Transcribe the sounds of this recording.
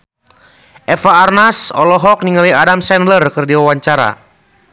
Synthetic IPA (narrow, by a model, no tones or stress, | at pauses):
ʔɛfaːrnasɔ̰lɔɦɔk̚niŋaliadamsɛnlərkɨrdiwawaɲt͡ʃaɾa̰